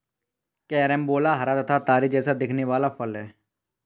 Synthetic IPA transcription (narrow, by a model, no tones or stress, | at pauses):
kɛːɾɛmboːlaɦɐɾaːd̪t̪ʰat̪aːɾid͡ʒɛːsad̪ɪkʰneʋaːlapʰəlɦɛː